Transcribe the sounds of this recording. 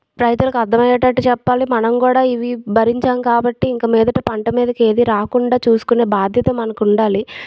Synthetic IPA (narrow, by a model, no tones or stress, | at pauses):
pɾɐjt̪ulɐkɐd̪ːɐmɐjɐʈːɐʈːut͡ʃɛpːaːlimɐnɐmkuːɽaːiʋibɐɾiɲt͡ʃaːmkaːbɐʈːiːŋkɐmiːd̪ɐʈɐpɐɳʈɐmiːd̪ɐke̞ːd̪iɾaːkuɳɖaːt͡ʃuːsu̥kune̞ːbaːd̪ʱjɐt̪ɐmɐnɐkuɳɖaːli